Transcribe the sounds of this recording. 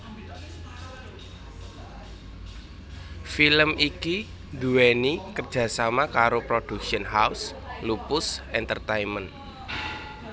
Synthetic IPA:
filəmiki | nd̪uwenikərd̥ʒ̥ä̤samakaɾopɾod̥ṳkʃiənɦaus | lupʊsɛnt̪ərt̪aimən

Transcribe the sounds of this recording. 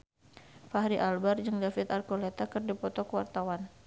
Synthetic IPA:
fahɾiʔalbard͡ʒɨŋdafɪt̪arkɔlɛt̪akɨrdipɔt̪ɔkəwart̪awan

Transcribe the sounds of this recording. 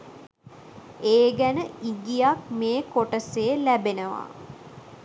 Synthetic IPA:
eːɡænəiŋɡijak̚meːkoʈəselæbenəʋa̰

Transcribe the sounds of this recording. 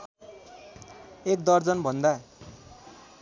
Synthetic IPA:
ek̚d̪ʌrd͡zʌnbʱʌnd̪a

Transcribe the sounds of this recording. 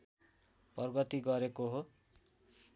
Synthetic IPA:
pʌrɡʌt̪iɡʌɾekoɦo

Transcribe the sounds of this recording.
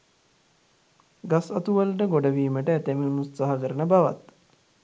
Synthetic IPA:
ɡasɐt̪uʋəlʈəɡoɖəʋiːməʈəæt̪eminut̪saɦakəɾənəbaʋa̰t̪

